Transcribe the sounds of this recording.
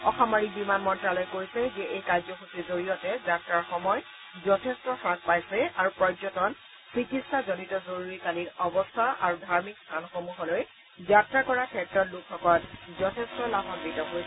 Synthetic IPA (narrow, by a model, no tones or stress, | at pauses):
ɔxɔmaɹibimanmɔntɹalɔjkojsɛzɛʔejkaɹzɔxusizoɹijɔtɛzatɹaɹxɔmɔj | zɔtʰɛstɔxɹak̚pajsɛaɹupɹɔjzɔtɔn | sɹikʰisazɔnitɔzoɹuɹikaliɹɔbɔstʰaʔaɹudʱaɹmikstʰanxomuɦɔloj | zatɹakɔɹakʰɛtɹɔtlukʰːɔkɔɹtzɔtʰestɔlabʱɔnbitɔɦojsɛ